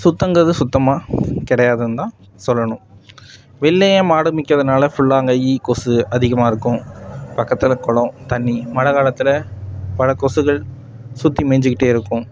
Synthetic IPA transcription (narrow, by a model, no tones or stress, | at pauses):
sʊt̪ːɐŋɡɐðɯsʊt̪ːɐmaːkɪɽɐjaːðɯɯnd̪ãː | sɔlːɐɳʊ̃m | ʋɛlːejẽːmaːɽɯmɪkːɾɐðɐnaːlɐfʊɭːaːŋɡɐjikɔsɯɐðɪɣɐmaːɪɾɯkːʊ̃pɐkːɐt̪ːɪlɐkɔɭɐ̃t̪ɐnːimɐɻɐɣaːlɐt̪ːɪlɐpɐɻɐkɔsɯɣɐɭ | sʊt̪ːimɛːɲd͡ʒɯkːɪʈːeːɪɾɯkːʊ̃